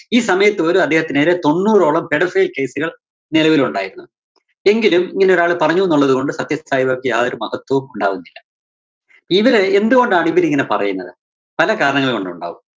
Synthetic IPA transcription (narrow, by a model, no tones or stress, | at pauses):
iːsɐmɐjɐt̪ːɨɐluɐd̪ʱːe̞ːhɐt̪ːineːɾet̪o̞nːuːro̞ːɭɐmpeɽɐfeːlke̞ːsuɣɐɭ | nilɐʋiluɳɖa̰ːjiɾunːu | e̞ŋɡilumiŋːɐneo̞ɾaːɭɨpɐrɐɲːuʋenːuɭːɐðuɣo̞ɳɖɨsɐt̪jɐaːjiʋɐkːɨja̰ːðoɾumɐhɐt̪wɐʋumuɳɖa̰ːʋunːilːɐ | pːiʋɐɾeend̪uɣo̞ɳɖaːɳiʋɐɾiŋːɐne̞pɐrɐ̰junːɐðɨ | pɐlɐkaːɾɐɳɐŋːɐɭkoɳɖuɳɖa̰ːʋum